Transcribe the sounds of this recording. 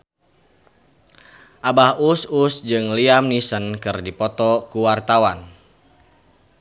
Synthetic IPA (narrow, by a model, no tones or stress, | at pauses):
ʔabahususd͡ʒɨŋliamnisənkɨrdipɔt̪ɔkuwart̪awan